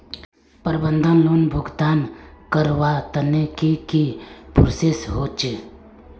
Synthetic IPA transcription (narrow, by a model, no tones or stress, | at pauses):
pəɾbənd̪ʱənlonbʱʊɡt̪aːnkəɾʋat̪ənekikipʊɾsesɦoːt͡ʃe